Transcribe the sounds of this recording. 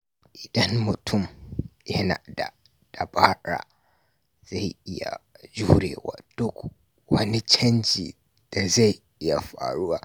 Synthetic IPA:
ʔi˨dã˦nmʊ˨tʰʊ̃˦˨mjɛ˦nã̰˨da̰˨ | d̥a˨baː˦ɾa̰˨ | za˦˨ji˦ja̰˨d͡ʒu˦hɾḛ˨wa̰˨d̥ʊ˦k | wɐ˨nɪ̃˦t͡ʃʰɛ˦nd͡ʒḭ˨ | d̥a˨za˦j | i˦ja˨fa̰ː˨ɾu˦wa˦

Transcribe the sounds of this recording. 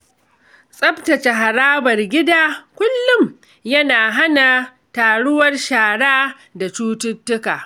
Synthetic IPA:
sʼɐ˦btɐ˨t͡ʃe˨ɦa˨ɾaː˦bɐ˨rɡʲɪ˦daː˦kʷʊ˦lːʊ˦m | jɐ˦naː˨ɦa˦na˨ | taː˨ɽʊ˦wɐ˦rʃaː˨ɽaː˦ | da˨t͡ʃuː˦tʊ˦tːʊ˦kaː˨

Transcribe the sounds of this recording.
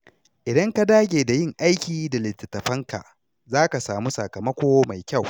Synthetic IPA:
ʔɪ˨dɐ˦ŋka˦daː˦ɡʲeː˨da˨jɪ˦ŋʔa˦jkʲiː˨da˨lɪ˨tːɪ˨tːɐ˨ɸɐ˦ŋka̰˨ʔ | zaː˦ka˨saː˨mu˦sɐ˨kɐ˨mɐ˦kʷoː˦ma˨jkʲa˦˨w

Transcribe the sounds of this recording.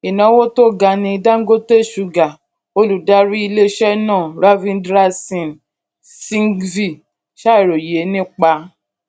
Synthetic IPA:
i˨nã˨˦wo˦to˦˨ɡa˧nĩ˧da˦ŋ̩˦ɡo˦te˦˨ʃu˨ɡa˨ | o˧lu˨da˦ɾi˦i˧le˦ʃɛ˦nãː˦˨ɾa˦vĩ˧ndɾa˦sɔ̃˨n | sĩ˦ŋvi˦˨ | ʃa˦i˨ɾo˨je˨˦nĩ˦k͡pa˧

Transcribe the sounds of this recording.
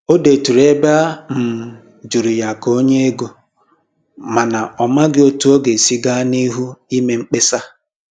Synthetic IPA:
o˦de˨tu˨ɾe˦ba˦m̩˨ | d͡ʒu˨ɾu˨ja˨ko˦ɲe˦e˦ɡo˨ | ma˨na˨ɔ˨ma˦ɡɪ˦o˦tu˦o˦ɡe˨si˦ɡa˦ni˦ɦu˦i˦me˨ŋ͡m̩˦k͡pe˦sa˦

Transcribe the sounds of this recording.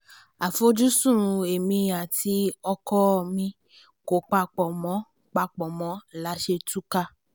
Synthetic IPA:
a˨fo˧˦d͡ʒu˦sũ˦˨ũ˨˧e˨mĩ˧ja˨ti˧˦ɔ˧kɔ˦˧mĩ˧ | ko˨k͡pa˧k͡pɔ˨mɔ̃˨˦ | k͡pa˧k͡pɔ˨mɔ̃˨˦˨la˨˦ʃe˧tu˦ka˦˧

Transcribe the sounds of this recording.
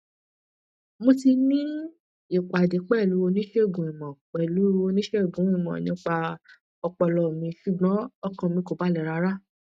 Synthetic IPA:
mo˧ti˧nĩ˦ | i˦˨k͡pa˨de˨˦k͡pɛ˦˨lu˨˦o˧nĩ˦ʃe˦˨ɡũ˨i˨mɔ̃˨k͡pɛ˨lu˨˦o˧nĩ˦ʃe˦˨ɡũ˨˦ĩ˦˨mɔ̰̃˨nĩ˦k͡pa˧ | ɔ˧k͡pɔ˧lɔ˨mĩ˧ʃu˨ɡ͡bɔ̃˨˦ɔ˦˨kɔ̃˧mĩ˧ko˨ba˨˦lɛ˨ɾa˧˦ɾa˦

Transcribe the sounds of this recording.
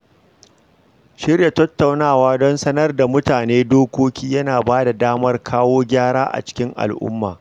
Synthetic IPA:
ʃɪ˦rja˨tɐ˦tːa˨wnaː˦˨waː˦dɔ˦nsɐ˦nɐ˦rda˨mʊ˦taː˨neː˦doː˦kʷoː˦kʲiː˦jɐ˦naː˨baː˦da˨daː˦mɐ˦rkʰaː˦woː˦ɡʲaː˦ɽaː˦ʔa̰˨t͡ʃɪ̥˦kʲɪ˦ŋʔa̰˨lʔʊ̰˦mːa̰ː˨

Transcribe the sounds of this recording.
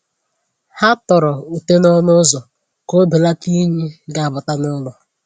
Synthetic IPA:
ha˦tɔ˨ɾɔ˨u˨te˦nɔ˦lʊ˦zɔ˨ | ko˦be˨la˦pi˦ɲi˦ɡa˨a˨bʊ˨ta˦nʊ˦lʊ˨

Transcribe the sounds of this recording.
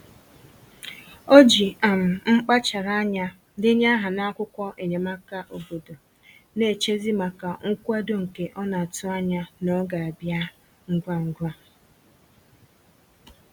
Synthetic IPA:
o˦d͡ʒi˨a˨m̩˨ŋ͡m̩˦k͡pa˦t͡ʃa˨ɾa˦ɲa˦ | dɪ˦ɲa˦ɦa˨na˦kʷʊ˦kʷɔ˦ʔe˨ɲe˨ma˦ka˨ʔo˨bo˨do˨ | ne˨t͡ʃe˦zi˦ma˨ka˨ŋ̩˦kʷa˦do˨ŋ̩˨ke˨ʔɔ˦na˨tʊ˦a˦ɲa˦nɔ˦ɡa˨a˨bja˦ | ŋ̩˦ɡʷa˦ŋ̩˨ɡʷa˦

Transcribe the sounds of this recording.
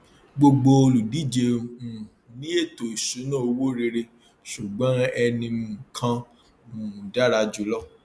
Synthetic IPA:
ɡ͡bo˧ɡ͡bo˧o˧lu˨di˨˦˨d͡ʒe˧ũ˨nĩ˦e˦˨to˨i˨su˨˦nã˦o˧wo˦ɾe˧ɾe˧ | ʃu˨ɡ͡bã˦ɛ˧nĩ˧mũ˨kʰã˧ | mũ˨da˦ɾa˧d͡ʒu˨˦lɔ˦˨

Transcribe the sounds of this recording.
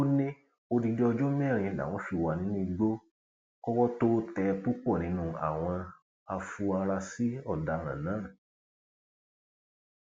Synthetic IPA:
o˦nĩ˦ | o˧di˧de˦ɔ˧d͡ʒo˦mɛ̃˦˨ɾĩ˨ĩ˧˨da̰˨w̃ɔ̃˧˦fi˧˨wa˧˨nĩ˨˦nũ˦i˧ɡ͡bo˦ | kɔ˦kɔ˦to˦tɛ˧pu˦k͡pɔ˦˨nĩ˨˦nũ˦˧a̰˨w̃ɔ̃˧ | a˧fu˧a˧ɾa˧si˦ɔ˦˨da˨˧ɾ̃ã̰˨nãː˨˦˨

